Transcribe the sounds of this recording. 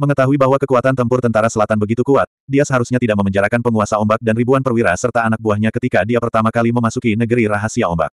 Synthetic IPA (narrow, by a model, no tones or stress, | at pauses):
məŋət̪aɦuibaɦwakəkuat̪ant̪əmpʊrt̪ənt̪aɾasəlat̪anbəɡit̪ukuat̪̚diasəɦaɾusɲat̪idaʔ̚məməɲd͡ʒaɾakanpəŋuasaɔmbak̚danribuanpərwiɾasərt̪aːnak̚buahɲakət̪ikadiapərt̪amakaliməmasukinəɡəɾiɾaɦasiaɔmba̰k̚